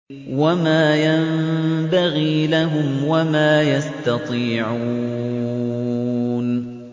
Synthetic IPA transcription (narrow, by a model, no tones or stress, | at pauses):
wamaːjambaɣiːlaɦʊmwamaːjast̪ɑt̪ˤiːʕuː | n